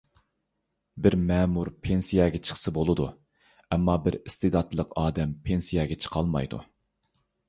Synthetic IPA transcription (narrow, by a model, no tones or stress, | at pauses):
bɪɾmɛːmuɾpʰensijɛɡʲɛt͡ʃʰə̥χsɨbolˠɨd̪u | ɛmːɑbɪɾɪst̪ɨd̪ɑt̪ʰlˠəqɑːd̪ɛmpʰensijɛɡʲɛt͡ʃʰə̥qʰɑlˠmɑ̰jd̪ṵ